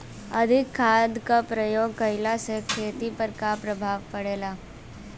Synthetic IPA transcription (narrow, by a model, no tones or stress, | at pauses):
ɐd̪ʱɪkʰːaːd̪kapɾəjoːɡ̚kɐɪlasekʰeːt̪ipəɾkapɾɐbʱaːʋpɐɽeːlaː